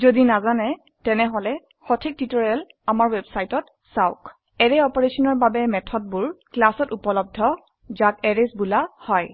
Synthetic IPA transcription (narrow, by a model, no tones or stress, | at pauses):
zodinazanɛ | tɛnɛɦɔlɛ | xɔtʰik̚titɔɹɛl | amaɹwɛbsajtɔt | saʊk | ɛɹɛɔpɔɹesɔnɔɹbabɛmɛtʰɔd̚buɹklasɔtupɔlɔb̚dʱɔ | zakɛɹesbulahɔj